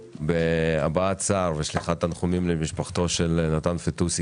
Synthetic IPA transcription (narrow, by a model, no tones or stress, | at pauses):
beabaat͡saʁveʃliχat̪anχumimlemiʃpaχt̪o̞ʃe̞lnat̪anfet̪us